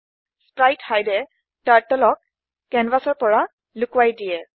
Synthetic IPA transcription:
spɹajthajdɛ | taɹtɔlɔkː | ɛnbasɔɹpɔɹa | lʊkʊwajdijɛ

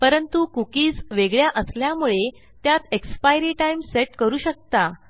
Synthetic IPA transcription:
pəɾənt̪ukukiːd͡zʋeɡɭjaʔəsljamuɭe | t̪jat̪ekspajɾiʈaimseʈkəɾuːɕək̚t̪a

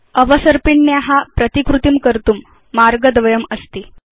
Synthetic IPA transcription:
əʋəsəɾpiɳːjaɦapɾət̪ikɾut̪imkəɾt̪uːmː | aɾɡəd̪ʋɐjəməst̪i

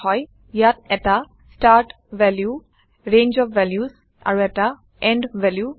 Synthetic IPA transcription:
hɔj | jat̚ɛta | sʈaɾʈ | ʋɛlju | ɹẽnd͡ʒɔfʋɛljus | a̰ɹuɛʈa | ɛ̃ɳɖʋɛlju

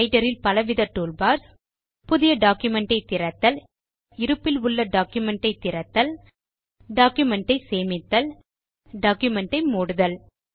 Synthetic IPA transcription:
ɪʈɐɾɪlpɐlɐʋɪðɐʈːuːlbaːɾs | pʊðɪjɐɖaːkjɯmɛɳʈɐɪt̪ːɪɾɐt̪ːɐl | ɪɾɯpːɪlʊɭːɐɖaːkjʊmɛɳʈɐɪt̪ːɪɾɐt̪ːɐl | ɖaːkjɯmɛɳʈɐɪseːmɪt̪ːɐl | ɖaːkjɯmɛɳʈɐɪmuːɽɯðɐl

